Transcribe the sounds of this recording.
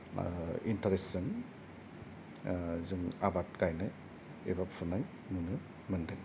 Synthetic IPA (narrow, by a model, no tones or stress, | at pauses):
intaɾesɯn | zɯŋabatɡajna | ebapsunaj | nɯnɯ | mɯndɯŋ